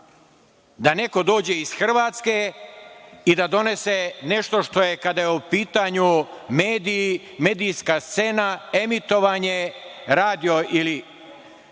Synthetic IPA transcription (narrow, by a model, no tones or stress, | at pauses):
d̪ane̞ko̞d̪o̞ːd͡ʑe̞izxr̩ʋaːt̪ske̞ | id̪ad̪o̞ne̞seneʃt̪o̞ʃt̪o̞jekad̪ajeupiːt̪aɲumeːd̪i | me̞ːd̪ijskast̪se̞ːnaemit̪o̞ʋaɲeɾaːd̪io̞ʔili